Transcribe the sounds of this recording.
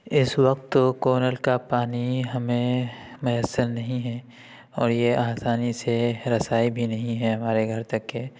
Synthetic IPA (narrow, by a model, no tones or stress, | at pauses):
ɪswɐk̚t̪okoːnəlkapaːniɦɐmẽmʊjəsːəlnɐɦĩɦɛː | ɔːɾjeaːsaːniseɾɐsaːibʱinɐɦĩɦɛɦɐmaːɾeɡʱɐɾt̪ɐkːe